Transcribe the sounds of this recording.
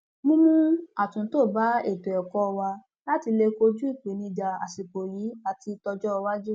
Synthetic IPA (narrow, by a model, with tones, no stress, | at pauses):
mũ˦mũ˦a˨tũ˨˦to˦˨ba˨˦e˦˨to˨ɛ˨kɔ˦˧wa˧ | la˦ti˧le˧ko˧d͡ʒu˦i˦˨k͡pe˨˦nĩ˧d͡ʒa˧a̰˨si˨k͡po˨ji˨˦a˨ti˧tɔ˧d͡ʒɔ˦˧wa˦d͡ʒu˦